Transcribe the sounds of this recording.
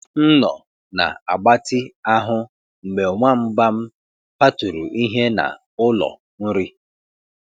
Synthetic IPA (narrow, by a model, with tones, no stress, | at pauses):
n̩˦nɔ˨ | na̰˨a̰˨ɡ͡ba˦tɪ˦a˦ɦʊ˦ | ŋ͡m̩˨ɡ͡be˨o˨ŋʷa˦m̩˦ba˦m̩˦ | pa˦tu˨ɾu˨ʔi˦ɦe˦na̰˨ | ʊ˦lɔ̰˨ | n̩˦ɾi˦